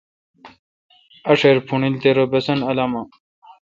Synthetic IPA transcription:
ɐʂeɾpʰuɳilt̪eɾobesɐnɐlama

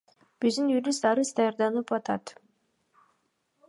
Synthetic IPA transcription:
b̥yzd̪ynjuɾʲisd̪ɑɾɯzd̪ɑjɑɾd̪ɑnɯpɑt̪ɑt̪

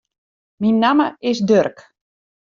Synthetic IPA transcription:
minːaməɪsdørk

